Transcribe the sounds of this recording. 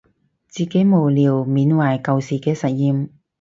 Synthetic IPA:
t͡siː˨˩ke˨˥jmo˨wliː˨˩wmiː˨˥nwaː˨˩jkɐ˨˧wsiː˨˩kɛː˧sɐ˨˩t̚jiː˧m

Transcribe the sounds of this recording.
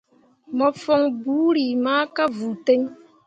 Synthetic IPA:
mɔ˨fɔ˦ŋbu˦ɾi˨maː˦ka˦vu˨te˦ɲ

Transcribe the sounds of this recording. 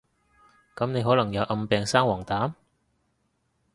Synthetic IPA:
kɐ˨˥mne˨˧jɦɔː˨˥lɐ˨˩ŋjɐ˨˧wʔɐ˧mpɛː˨˧ŋsaː˥ŋwɔː˨˩ŋt̪aː˨˥m

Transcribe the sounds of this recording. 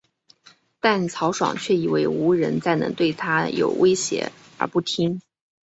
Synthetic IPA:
t̪a˥˩nt͡sʰɑ˧˥ʊʂwɑ̰˨˩ŋt͡ɕʰɥɛ˥˩i˨˩we˥˩ɪu˧˥ɻə˧˥nt͡sa˥˩ɪnɤ̰˧˥ŋt̪we˥˩ɪt̪ʰa˥jo̰˨˩ʊwʔe˥ɪɕjɛ̰˧˥ | ə̰˞˧˥pu˥˩t̪ʰi˥ŋ

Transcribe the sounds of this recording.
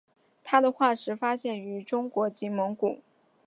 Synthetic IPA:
t̪ʰa˥d̪ə˨xwa˥˩ʂɻ̩˧˥fa˥ɕjɛ˥˩ny˧˥ʈ͡ʂʊ˥ŋkwɔ˧˥t͡ɕi˧˥mɤ˧˥ŋku˨˩˦

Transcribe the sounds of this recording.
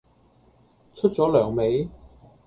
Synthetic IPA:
t͡ʃʰɵ˥t̚t͡sɔː˨˥lœː˨˩ŋme˨˥j

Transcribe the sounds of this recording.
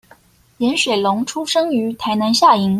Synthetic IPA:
jɛ˧˥nʂwe˨˩ɪlʊ˧˥ŋʈ͡ʂʰu˥ʂɤ˥ŋy˧˥t̪ʰa˧˥ɪna˧˥nɕja˥˩i˧˥ŋ

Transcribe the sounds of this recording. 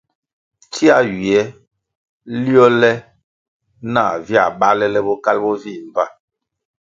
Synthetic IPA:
ti˦a˦ɥi˨ɛ˨˦ | li˦ɔ˦lɛ˦ | na˦˨vja̰˨ɓa˦lɛ˦lɛ˦bɔ˦ka˦lbɔ˦vi˦˨m˨ba˦˨

